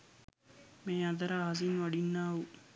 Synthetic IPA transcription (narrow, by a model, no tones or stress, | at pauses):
meːad̪ɐɾaːɦɐs̬inʋaɖinːaːʋu